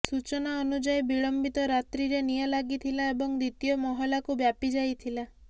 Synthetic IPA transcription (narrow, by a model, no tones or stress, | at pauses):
sut͡ʃɔnaɔnud͡ʒajbiɭɔmbit̪ɔɾat̪ɾiɾenijɔlaɡit̪ʰilaebɔŋd̪it̪ijɔmɔɦɔlakubjapid͡ʒajt̪ʰila